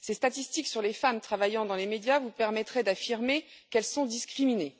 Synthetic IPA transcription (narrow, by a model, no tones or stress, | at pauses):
sest̪at̪ist̪iksyʁlefamt̪χavajɑ̃d̪ɑ̃lemed̪javupɛʁmɛt̪χɛd̪afiʁmekɛlsɔ̃d̪iskχimine